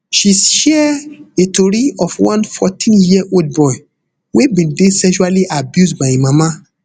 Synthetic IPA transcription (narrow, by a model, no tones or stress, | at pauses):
ʃisʃɛetoɾiɔfwãnfɔtʰĩnjiʔold̚bɔi | webĩndesɛ̃ʃualiʔabjusbaĩmãmã